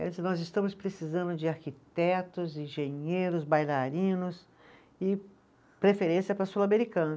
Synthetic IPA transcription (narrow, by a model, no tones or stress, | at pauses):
ɛ̰snɔzɪst̪ɐ̃mʊspɾesizɐ̃nd̪ʊd͡ʒɪaɾkit̪ɛt̪ʊzĩʒẽɲejɾʊzbajlaɾĩnʊs | ɪ | pɾefeɾẽsiɐpɾɐsulɐmeɾikɐ̃nɐ